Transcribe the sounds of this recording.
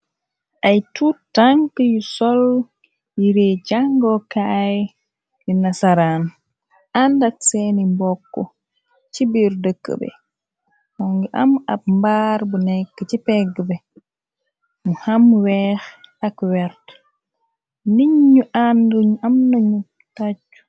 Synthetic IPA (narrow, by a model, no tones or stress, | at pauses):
ʔajtutaŋkəjusɔl | jiɾɛd͡ʒaŋɡɔkajɛ | linasaɾan | ʔandaksenimbɔkːɔ̰ | t͡ʃibiɾdəkːə̰bɛ̰ | ɔŋɡɛʔama̰b̚mbaɾbunɛkːət͡ʃipɛɡbɛ | muhamwɛxakwɛɾt | niɲːuʔanduɲamnaɲu | tad͡ʒu̥